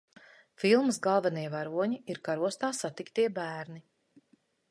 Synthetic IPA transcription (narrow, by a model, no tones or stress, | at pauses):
filˠmsɡalˠvɛniɛvaɾuɔɲiiɾkaɾuɔst̪aːsat̪ikt̪iɛbæːɾni